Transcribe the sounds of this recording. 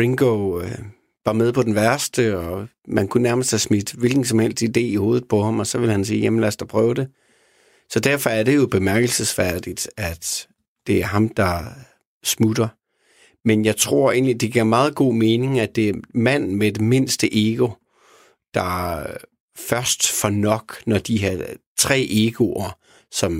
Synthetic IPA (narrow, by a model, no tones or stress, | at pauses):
ʁiŋɡ̥o | ʋɑ̈með̞ˠpʰɒ̽d̥en̩ʋæɐsd̥əɒmænkʰunæɐməsd̥hæsmid̥ʋe̝lɡ̥n̩sɒ̽mhel̰sd̥id̥e̝̰ːiho̝ːð̩ˠpʰɒ̽hɑ̈mɒ̽sɒ̽ʋe̝lhænsiːjæmnlæsd̥ɒpʰʁœːʊd̥e̝ | sɒ̽d̥æɐ̰fɒ̽æɐɾ̥e̝jo̝b̥e̝mæɐɡ̥l̩səsfæɐd̥id̥æd̥ | d̥e̝æɐɦɑ̈md̥ɑ̈ | smud̥ɐ | menjɑ̈ɪt͡sʰʁo̝ɐ̰e̝̰ːnlid̥e̝ɡ̥iɐmɑ̈ːð̞̩ˠɡ̥o̝̰ːme̝ːne̝ŋæd̥e̝æɐmæn̰med̥eme̝n̰sd̥əʔeɡ̥o̝ | d̥ɑ̈ | fɶɐsd̥fɒnɒ̽ɡ̥nɒd̥iɦæt͡sʰʁɛ̰ːʔeɡ̥o̝ɐ | sɒ̽m